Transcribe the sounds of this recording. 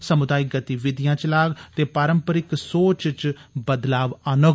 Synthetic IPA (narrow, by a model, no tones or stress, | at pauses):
səmʊd̪aːɪk̚ɡət̪iʋɪd̪ɪjãːt͡ʃəlaːɡt̪eːpaːɾəmpəɾɪksoːt͡ʃt͡ʃ | bəd̪laːʋənʊ